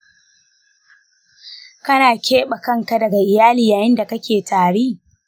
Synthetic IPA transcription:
kɐ˦naː˨kʲeː˦ɓa˨kɐ˦˨ŋka˦dɐ˨ɡa˨ʔɪ˨jaː˦liː˨jaː˨jɪ˦nda˨kɐ˦kʲeː˨tʰaː˨ɽeː˦

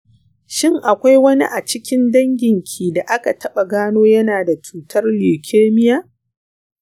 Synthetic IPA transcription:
ʃɪ˦ŋʔa˨kʷa˦jwɐ˦nḭ˦ʔa˨t͡ʃɪ˦kʲɪ˦ndɐ˦ŋɡʲɪ˨ŋkʲʰiː˨da˨ʔa˦ka˨tʰɐ˦ɓa˨ɡaː˦noː˦jɐ˦naː˨da˨t͡ʃuː˨tɐ˦rliː˨kʲʰeː˦mɪ˦jaː˦

